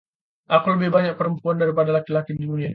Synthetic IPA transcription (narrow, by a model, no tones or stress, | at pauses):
ʔakuləbɪhbaɲak̚pəɾəmpuandaɾipadalakilakididunia